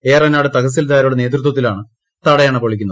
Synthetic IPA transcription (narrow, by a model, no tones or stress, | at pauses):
e̞ːrɐnaːɽɨt̪ɐɣɐs̬ilt̪aːɾuɽene̞ːt̪̬rut̪wɐt̪̬ːilaːɳɨ | t̪ɐɽɐjaːɳɨpoɭikʲːunːɐð